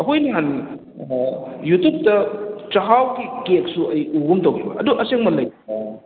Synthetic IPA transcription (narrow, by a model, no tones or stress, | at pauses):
ɐɦojnɐɦan | jutup̚tɐt͡ʃɐɦawɡikek̚suɐjuɡumtowibɐ̰ɐduʔɐseŋmɐlɐj